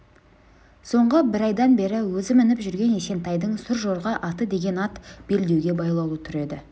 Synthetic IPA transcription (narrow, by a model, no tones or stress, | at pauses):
so̞ɴʁəbɪɾɑjd̪ɑnbe̞ɾɪwɵzɪmɪnɪpʒʏɾɡʲe̞nese̞nt̪ɑjd̪əɴsʊɾʒo̞ɾʁɑʔɑt̪əd̪e̞ɡʲe̞nɑt̪b̥e̞ld̪e̞wɡʲe̞bɑjlˠɑlˠut̪ʰʏɾe̞d̪ɪ